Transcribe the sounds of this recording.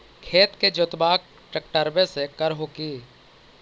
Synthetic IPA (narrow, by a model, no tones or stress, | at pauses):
kʰeːt̪ked͡ʒʊt̪baːk̚ | ʈək̚ʈəɾbẽsekəɾɦokiː